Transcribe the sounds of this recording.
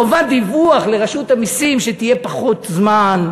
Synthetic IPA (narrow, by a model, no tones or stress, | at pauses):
ovand̪ivuaχle̞ʁaʃut̪amisimʃet̪ije̞paχot̪zman